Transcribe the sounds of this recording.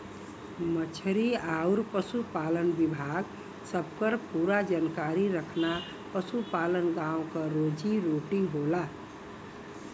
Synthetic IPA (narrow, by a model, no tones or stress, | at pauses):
mət͡ʃʰəɾiauɾpəsupalənbibʱaɡ | səbkəɾpuɾad͡ʒankaɾiɾəkʰna | pəsupalənɡãũkəɾod͡ʒiɾoʈiɦola